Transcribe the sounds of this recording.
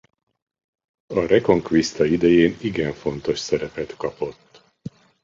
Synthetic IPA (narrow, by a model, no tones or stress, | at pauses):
ɒrɛko̞ŋkʋist̪ɒid̪ɛjeːniɡɛɱfo̞n̪t̪o̞ʃsɛɾɛpɛt̪kɒpo̞t̪ː